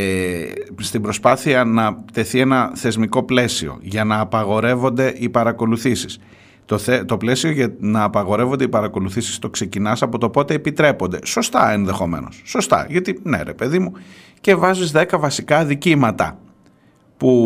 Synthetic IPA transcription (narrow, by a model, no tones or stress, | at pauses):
est̪ibɾo̞spɐθiɐnɐt̪e̞θie̞nɐθe̞zmiko̞ple̞sio̞̰ʝɐnɐːpɐɣo̞ɾe̞vo̞nd̪e̞ʔipɐɾɐko̞luθisi̥s | t̪oθet̪o̞ple̞sio̞ʝɐnɐːpɐɣo̞ɾe̞vo̞nd̪eipɐɾɐko̞luθisi̥st̪o̞kse̞cinɐsɐpo̞t̪o̞po̞t̪eːpit̪ɾe̞po̞nd̪e̞so̞st̪ɐenðe̞xo̞me̞̰no̞̰sːo̞st̪ɐ̰ʝɐt̪ine̞̰ɾe̞pe̞ðimu | ce̞vɐzizðe̞kɐvɐsikɐðicimɐt̪ɐ̰ | pu